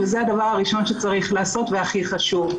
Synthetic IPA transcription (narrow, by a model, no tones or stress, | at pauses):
vezead̪avaʁaʁiʃo̞nʃet͡saʁiχlaːso̞t̪veaχiχaʃuv